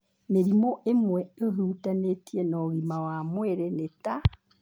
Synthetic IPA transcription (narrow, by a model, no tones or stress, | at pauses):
neɾimoʔemwɛoɦuːtanetienɔːɣimawamweɾeneta